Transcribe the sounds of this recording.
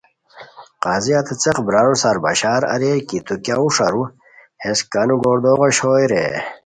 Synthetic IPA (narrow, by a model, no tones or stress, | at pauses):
qaːziɐt̪ʰet͡seqbɾaːɾusaɾbɐ̰ɕaːɾɐ̰ɾeɾkit̪ukʲauʂaɾu | heskanuɡoːɾd̪oːʁoɕoːjɾḛ